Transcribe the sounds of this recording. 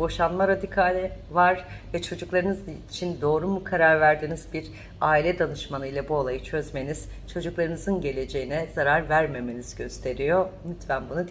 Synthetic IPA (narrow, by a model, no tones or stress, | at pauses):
bo̞ʃanmaɾad̪ikʰalʲɛ | vaɾvɛt͡ʃʰo̞d͡ʒuklˠaɾɯnɯzt͡ʃʰind̪o̞ːɾumukʰaɾaɾvæɾd̪iːniz̥biɾ | aːilʲɛd̪anɯʃmanɯjlˠabuo̞lˠajɯt͡ʃʰø̞zme̞niz̥t͡ʃʰo̞d͡ʒuklˠaɾɯnɯzɯnɟe̞lʲe̞d͡ʒe̞jinɛz̥aɾaɾvæɾme̞me̞niz̥ɟø̞st̪ʰe̞ɾijo̞myt̪vænbunud̪